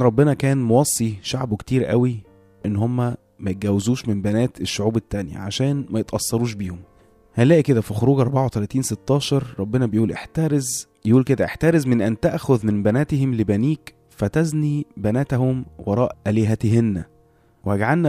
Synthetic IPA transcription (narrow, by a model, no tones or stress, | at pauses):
ɾˤɑbːenɑkæːnmowɑsˤːiʃaʕbokt̪iːɾʔæ̰wi | ʔenːhomːæ | mæjet̪ɡæwːezuːʃmembænæːt̪eʃːoʕuːbet̪ːænjæ̰ʕa̰ʃæːnmæjet̪ʔɑsˤːɑɾˤuːʃ̬biːhom | hælːæːʔiked̪æfixoɾuːɡʔɑɾˤbaʕawt̪ælæːt̪iːnset̪ːɑːʃɑɾˤɾˤɑbːenɑbejʔuːlʔeħt̪æːɾez | jʔuːlked̪æʔeħt̪æːɾezmenʔænt̪æʔxoðmembænæːt̪ehemlebæniːk | fæt̪æznibænæːt̪æhomwɑɾˤɑːʔʔæleɦæt̪ɦenːæ | weæɡʕalnæ